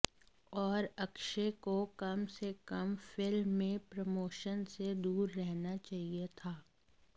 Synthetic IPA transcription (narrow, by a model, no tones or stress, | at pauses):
ɔːɾɐkʃekokɐmsekɐmfɪlmːẽpɾɐmoːʃənsed̪uːɾːɛɦnat͡ʃaːɦiet̪ʰaː